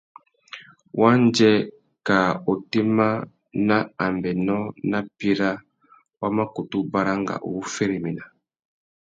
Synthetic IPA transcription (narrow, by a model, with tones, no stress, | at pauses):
wʔa˦nd͡ʒɛ˦ | ka˨o˨ti˦ma˦ | na˦a˨mbɛ˨nɔ˦na˦pi˦ɾa˦ | wa˦ma˦ku˨tu˦ba˦ɾa˦ŋɡa̰˨ʔṵ˨˦fɛ˦ɾi˨mi˨na˨